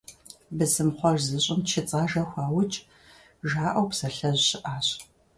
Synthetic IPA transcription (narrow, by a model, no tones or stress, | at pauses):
bɨzɨmχʷɔʒzɨɕʼɪmt͡ʃʰɪt͡sʼaːʒɐxʷɑːwʊt͡ʃʼ | ʒaːʔɐwpsɐɬɐʑɕɪʔaːɕ